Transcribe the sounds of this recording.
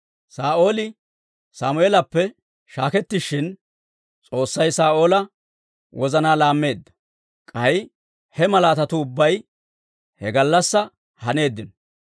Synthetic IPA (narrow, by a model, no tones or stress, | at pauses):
saːʔo̞ːlɪ | saːmʊeːlɐpːɛ | ʃaːkɛt̪ːɪʃːɪn | t͡sʼo̞ːsːɐjsaːʔo̞ːlɐ | wʔɔzɐnaːlaːmːe̞ːd̪ːɐ̥ | kʼɐj | hɛmɐlaːt̪ɐt̪ʊːbːɐj | hɛɡɐlːɐsːɐ | hɐne̞ːd̪ːɪn